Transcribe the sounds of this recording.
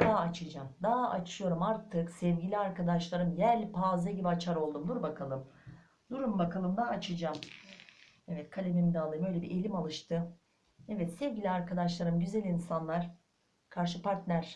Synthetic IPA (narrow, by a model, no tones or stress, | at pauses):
d̪̥aːat͡ʃʰɯd͡ʒamd̪aat͡ʃʰɯjo̞ɾumaɾt̪ʰɯksɛvɟilʲiaɾkad̪aʃlˠaɾɯmjæɾʲpʰaːzaɟibiat͡ʃʰaɾo̞lˠd̪umd̪uɾbakʰalˠɯm | d̪uɾumbakʰalˠɯmd̪aɦat͡ʃʰɯd͡ʒam | ɛvɛt̪kʰalʲebemid̪aalˠɯjmø̞jlʲebiʔelʲimalˠɯʃt̪ɯ | ɛvɛt̪sɛvʲɟilʲiaɾkʰad̪aʃlˠaɾɯmɟyzælʲinsanlˠaɾ̥ | kʰaɾʃɯpʰaɾt̪lʲæɾ̥